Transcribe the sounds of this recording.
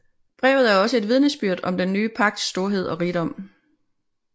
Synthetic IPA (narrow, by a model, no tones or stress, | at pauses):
b̥ʁɛ̰ːʊð̩ˠæɐɒ̽səe̝d̥ʋið̞ˠnesb̥yɐ̰d̥ɒ̽md̥enːyːpʰɑ̈ɡ̥̚d̥sd̥o̝ɐɦe̝ð̞̰ˠɒ̽ʁiɾ̥ɒ̽m̰